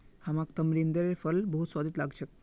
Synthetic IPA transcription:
hamakt̪əmɾind̪əɾefəlbəɦut̪swad̪it̪laɡt͡ʃʰek

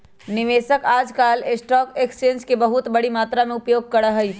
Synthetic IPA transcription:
nɪʋeːsəkaːd͡ʒkaːlesʈɔːkeksẽːnskebɐɦʊt̪bɐɽimaːt̪ɾamẽʊpjoːɡ̚kɐɽəɦɐi

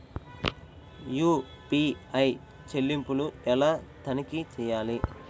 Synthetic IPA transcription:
juː | piːɐj | t͡ʃe̞lːimpuluɛlaːt̪ɐnikit͡ʃɛːjaːli

